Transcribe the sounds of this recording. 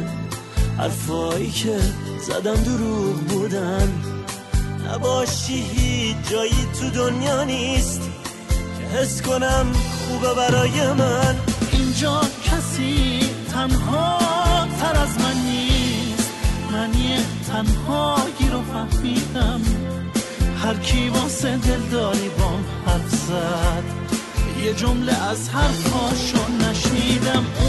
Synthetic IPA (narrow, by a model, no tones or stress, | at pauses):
hæ̰ɾfɒːiːkʰezæ̰d̪æmd̪oɾuːʁbud̪æm | næ̰bɒːʃiːɦiːd͡ʒɒːjiːt̪ʰud̪onjɒːniːst̪ | hesko̞næmxuːbebæɾɒːjemænʔind͡ʒɒːkʰæsit̪ʰænɦɒːt̪ʰæɾæzmænːiːst̪mæniet̪ʰænhɒːjiɾofæhmiːd̪æm | hæɾkʰibɒːsed̪e̞ld̪ɒːɾiːbɒnhæɾfzæd̪̥ | jed͡ʒomleʔæzhæɾkʰɒːʃonæʃniːd̪æm